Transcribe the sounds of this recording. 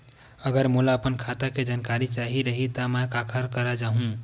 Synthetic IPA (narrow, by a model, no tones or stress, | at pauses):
əɡəɾmulaəpənkʰat̪aked͡ʒankaɾit͡ʃaɦiɾəɦit̪amɛ̃kakʰəɾkəɾad͡ʒaɦũ